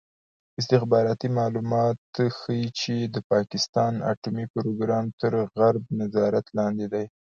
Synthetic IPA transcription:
ɪs̬t̪ɪxbɑɾɑt̪imɑlumɑt̪xəjit͡ʃed̪əpɑkɪst̪ɑna̰ʈumipɾoɡɾɑmt̪əɾɣaɾb̚nazɑɾat̪lɑnd̪ed̪aj

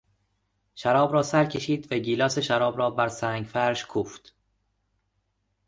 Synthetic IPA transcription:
ʃæɾɒːbɾɒːsæɾcʰeʃiːd̪væɟiːlɒːse̞ʃæɾɒːbɾɒːbæɾsæːŋɡfæɾʃkʰuːft̪

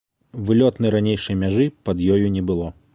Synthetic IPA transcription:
vɨlʲɔt̪nɐjɾanʲejʂɐjmʲaʐɨpɐd̪jɔjunʲɛbɨlˠɔ

